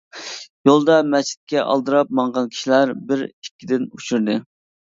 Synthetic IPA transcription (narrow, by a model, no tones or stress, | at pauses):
jolˠd̪ɑmɛt͡ʃʰi̥t̪̚kʲɛʔɑ̰lˠd̪ɨɾɑp̚mɑɴʁɑnkʲʰi̥ʃilæɾbɪɾikʲːid̪ɪnut͡ʃʰuɾd̪ɨ